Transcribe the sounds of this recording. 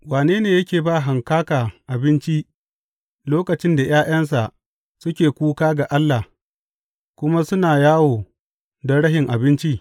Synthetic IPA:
waː˨neː˦neː˨jɐ˦kʲeː˨ba˦˨ɦa˨ŋkaː˦kaː˨ʔa˨bɪ˦nt͡ʃi˦ | loː˦kɐ˨t͡ʃɪ˦nda˨j̰aː˦j̰ɐ˦ns̬a˨ʔ | sʊ˦kʲeː˨kʷuː˦kaː˦ɡa˨ʔa˦lːa˨ | kʷʊ˦ma˦sʊ˦naː˨jaː˦woː˨ | dɐ˦ɽɐ˦ɦɪ˨ŋʔa˨bɪ˦nt͡ʃi˦

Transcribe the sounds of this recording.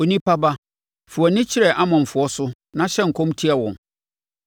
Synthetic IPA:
o˨nĩ˦pa˦ba˦ | fʊ˨ɔ˨nɪ̃˦t͡ɕʰɪ˦ɾɛ˨ʔa˦mã˨ɱ̩˨fʊ˨˦ɔ˦sʊ˦ | nã˦ɕɛ˦ŋ̩˨kʰɔ̃˦mtʰi˦ɛ˨wɔ̃˨n

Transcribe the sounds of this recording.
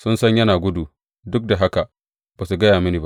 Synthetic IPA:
sʊ˦nsɐ˦ɲjɐ˦naː˨ɡʷʊ˦du˨ | dʊ˦k̚da˨ɦa˦ka˨ | baː˨su˨ɡɐ˦jaː˨mɪ˦niː˨ba˦ʔ

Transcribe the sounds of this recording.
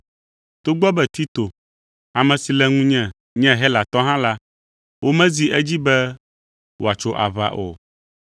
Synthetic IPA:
t̪o˦ɡ͡bɔ˦bɛ˦t̪i˦t̪o˨ | a˨mɛ̃˨si˨lɛ˦ŋũ˦ɲɛ̃˨ | ɲɛ̃˦ɦɛ˦la˨t̪ɔ˦ɦã˦la˦ | wo˦mɛ̃˦zi˦ʔɛ˦d͡ʑi˦bɛ˦ | wʔo̰˨a˨t͡ʃo˦ʔa̰˨βa̰˦ʔo̰˨

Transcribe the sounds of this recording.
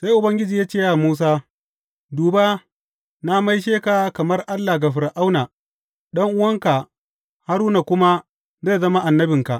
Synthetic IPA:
sa˦jʔʊ˨bɐ˦ŋɡʲɪ˦d͡ʒiː˨jaː˦t͡ʃeː˦˨ja˨muː˦s̬aː˦ | duː˨ba˦ | na˦ma˦jʃ̬eː˦ka˨kɐ˨mɐ˦rʔa˦lːa˨ɡa˨ɸɪ˨ɾa˨ʔa˦wnaː˨ | ɗɐ˦ŋʔʊ˦wɐ˦ŋka˨ | ha˦ɾuː˦na˨kʷʊ˦ma˦ | za˦˨zɐ˦ma˦ʔa˨nːɐ˦bɪ˨ŋka˨ʔ

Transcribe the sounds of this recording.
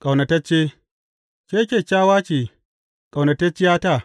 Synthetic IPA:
kʼa˨wnɐ˨tɐ˦t͡ʃːeː˦ | kʲeː˦kʲeː˨t͡ʃʲaː˦waː˦t͡ʃeː˨ | kʼa˨wnɐ˨tɐ˦t͡ʃːɪ˦jaː˦taː˦˨

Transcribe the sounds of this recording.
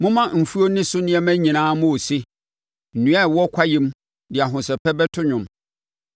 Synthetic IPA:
mʊ̃˦mã˦˨m̩˨fu˦o˦nɪ̃˦sʊ˦nɪ̃˦ɛ˦mæ̃˦ɲĩ˨nãː˦mʊ̃˦o˨sɪ˦ | n̩˨nũ˨˦a˦˨wɔ˦kʰa˦jĩ˦m | dɪ˨a˨ɦʊ̃˨sɛ˨pʰɛ˦bɛ˦tʰʊ˦ɲʊ̃˨m

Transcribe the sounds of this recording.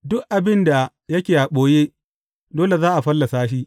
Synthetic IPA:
dʊ˦k̚ʔa˨bɪ˦nda˨ | jɐ˦kʲeː˨ʔa˨ɓoː˨˦jeː˦ | doː˦le˨zaː˦ʔa˨ɸɐ˦lːa˨saː˦ʃ̬iː˦

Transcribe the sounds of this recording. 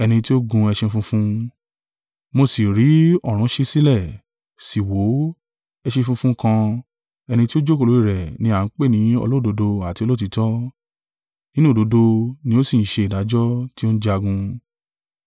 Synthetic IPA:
ɛ˧nĩ˧ti˦o˦ɡũ˧ɛ˧ʃẽ˧fũ˧fũ˧ | mo˧si˨ɾi˨˦ɔ˦˨ɾ̃ũ˨˦ʃi˧si˦lɛ˦˨ | si˨wo˨˦ | ɛ˧ʃẽ˧fũ˧fũ˦kã˧ | ɛ˧nĩ˧ti˦o˦d͡ʒo˦ko˧˨lo˨˦i˦˨ɾɛ˨nĩ˨˦a˦˨˦k͡pe˦˨nĩ˨˦ɔ̰˧lo˦˨do˨˧do˧a˨ti˧o˧lo˦t̬i˨˧˦tɔ˦ | nĩ˦nũ˦˨do˨˧˦do˧nĩ˧˦o˦si˦˨n̩˦ʃe˧i˨da˨˦d͡ʒɔ˦ti˦o˦ñ̩˦d͡ʒa˧ɡũ˧

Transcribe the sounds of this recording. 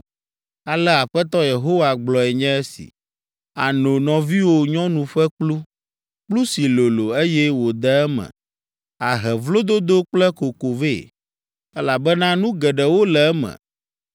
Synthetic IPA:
a˨lɛ˦a˨ɸɛ˦t̪ɔ˦je˨ɦo˦wa˨ɡ͡blɔ˨ɛ˨ɲɛ̃˦ɛ˦sḭ˨ | a̰˨no˨nɔ̃˨vi˦wo˦ɲɔ̃˦nũ˨ɸɛ˦k͡plu˦ | k͡plu˦si˨lo˨lo˨e˦jɛ˦wo˨d̪ɛ˦ɛ˦mɛ̰̃˨ | a˨ɦɛ˨vlo˦d̪o˦d̪o˦k͡plɛ˦ko˨ko˨ve˦˨ | ɛ˦la˨bɛ˦nã˦nũ˦ɡɛ˨ɖɛ˨wo˦lɛ˨ɛ˦mɛ̰̃˨

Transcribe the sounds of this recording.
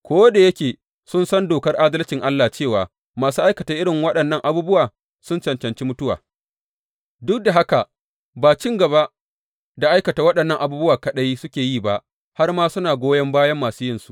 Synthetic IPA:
kʷoː˦da˨jɐ˦kʲeː˨ | sʊ˦nsɐ˦ndoː˨kɐ˦rʔa˦dɐ˦lt͡ʃɪ˨ŋʔa˦lːa˨t͡ʃeː˦˨waː˨ | maː˨suː˦ʔa˦jkɐ˨ta˨ʔɪ˦ɽɪ˨ŋwɐ˦ɗɐ˨nːɐ˦ŋʔa˨buː˦bʊ˦waː˨ | sʊ˦nt͡ʃɐ˨nt͡ʃɐ˨nt͡ʃi˦mʊ˦tʊ˦wa̰ː˨ | dʊ˦k̚da˨ɦa˦ka˨ʔ | baː˨t͡ʃɪ˦ŋɡɐ˨ba˦ʔ | da˨ʔa˦jkɐ˨ta˨wɐ˦ɗɐ˨nːɐ˦˨ŋʔa˨buː˦bʊ˦waː˨kɐ˨ɗɐ˦jsʊ˦kʲeː˨jiː˦˨ba˦ʔ | ha˦rmaː˦sʊ˦naː˨ɡʷoː˦jɐ˦mbaː˦jɐ˦mːaː˨suː˦jɪ˦nsu̥˨ʔ

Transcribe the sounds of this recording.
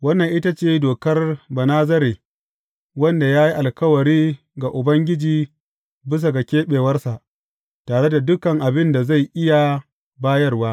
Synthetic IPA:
wɐ˦nːɐ˨ŋʔɪ˦ta˦t͡ʃeː˦˨doː˨kɐ˦rbɐ˨naː˦zɐ˦ɾeː˨ | wɐ˦nda˨jaː˦ji˦ʔa˨lkɐ˦wɐ˨ɽiː˦ | ɡa˨ʔʊ˨bɐ˦ŋɡʲɪ˦d͡ʒiː˨ | bɪ˦s̬a˨ɡa˨kʲeː˦ɓeː˨wɐ˦rsa˨ʔ | taː˨ɽe˦da˨dʊ˦kɐ˨ŋʔa˨bɪ˦nda˨za˦˨jʔɪ˦ja˨ | baː˦jɐ˦rwaː˦

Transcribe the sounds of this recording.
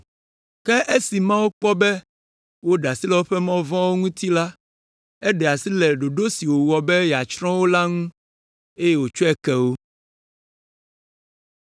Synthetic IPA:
kɛ˦ʔe˦si˨mã˦wo˦k͡pɔ˦bɛ˦ | wo˦ɖa˨si˦lɛ˦wo˦ɸɛ˦mã˦vɔ̃˦wo˦ŋũ˦t̪i˦la˦ | ɛ˦ɖɛ˨a˨si˦lɛ˨ɖo˨ɖo˦si˨wo˨wɔ˨bɛ˦ja˨t͡ʃɾɔ̃˦wo˦la˦ŋũ˦ | e˦je˦wo˨t͡ʃo˦ɛ˦kɛ˨wo˦

